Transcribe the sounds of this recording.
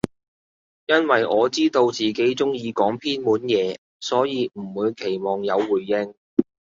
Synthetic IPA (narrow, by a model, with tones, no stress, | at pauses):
jɐ˥nwɐ˨˩jʔɔː˨˧t͡siː˥t̪o˧wt͡siː˨˩ke˨˥jt͡sʊ˥ŋjiː˨˧kɔː˨˥ŋpʰiː˥nmuː˨˥njɛː˨˧ | sɔː˨˥jiː˨˧m̩˨˩wuː˨˧jkʰe˨˩jmɔː˨ŋjɐ˨˧wːuː˨˩jːɪ˧ŋ